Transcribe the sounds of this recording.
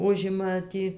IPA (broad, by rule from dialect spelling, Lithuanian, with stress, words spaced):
ˈʊʒʲɪmɐ ˈtʲiː